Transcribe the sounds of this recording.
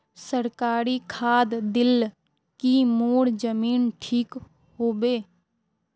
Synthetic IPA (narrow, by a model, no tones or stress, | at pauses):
səɾkaːɾikʰaːd̪d̪ɪl | kimoːɽd͡ʒəmiːnʈʰiːk | hoːbeː